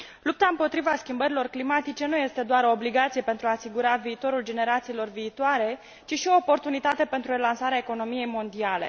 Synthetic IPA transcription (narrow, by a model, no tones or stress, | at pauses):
lup̚t̪aɨmpo̞t̪ɾivaskʲimbəɾilo̞rklimat̪it͡ʃe̞nuje̞st̪e̞d̪oaɾo̞ːbliɡat̪sije̞pe̞nt̪ɾuaːsiɡuɾaviːt̪o̞ɾuld͡ʒe̞ne̞ɾat̪siːlo̞rviːt̪oaɾe̞ | t͡ʃiʃio̞ːpo̞rt̪unit̪at̪e̞pe̞nt̪ɾurelansaɾeaeko̞no̞mije̞jmo̞nd̪iale̞̰